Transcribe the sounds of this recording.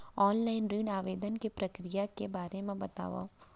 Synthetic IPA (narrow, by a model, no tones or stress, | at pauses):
ɔːnlaːɪnɾiːɖaːʋeːd̪ənkipɾɐkɾijakebaːɾemẽbɐt̪a̰ːʋa̰